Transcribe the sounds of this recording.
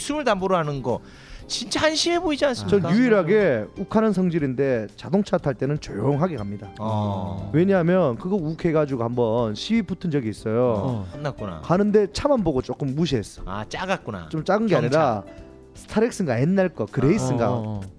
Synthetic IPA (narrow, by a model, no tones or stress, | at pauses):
sʰɯmɯɭtamboɾoɦanɯnɡʌ | t͡ɕint͡ɕ͈ahanɕʰimeboid͡ʑiansɯmt͡ɕʌnjuiɾɦaɡe̞ukʰanɯnsʰʌŋd͡ʑiɾinde̞t͡ɕadoŋt͡ɕʰatʰaɭt͈e̞nɯnt͡ɕojoŋɦaɡe̞kamɲida | we̞ɲaɦamjʌnkɯɡʌukʰe̞ɡad͡ʑuɡohambʌnɕʰiiputʰɯnd͡ʑʌɡiːs͈ʌjonːak͈una̰kanɯnde̞t͡ɕʰamanboɡot͡ɕ͈ok͈ɯmːuɕ̬ʰies͈ʌ̥a̰t͡ɕ͈aɡak͈una̰t͡ɕ͈omt͡ɕ͈aɡɯnɡeaɲiɾa | sʰɯ̥tʰaɾek̚s͈ɯŋɡaenːaɭk͈ʌkɯɾe̞is͈ɯŋɡa̰